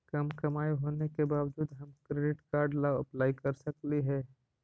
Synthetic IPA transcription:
kɐmkɐmaːiɦoːnekebaːʋd͡ʒuːd̪ɦɐmkɾeːɖɪʈkaːɾɖlaːʋɐplaːikɐɾsɐkliɦɛː

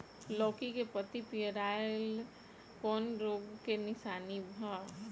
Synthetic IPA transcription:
lɔːkikepət̪ipijəɾaːɪl | kɔːnɾoːɡkenɪʃaːnibʱã

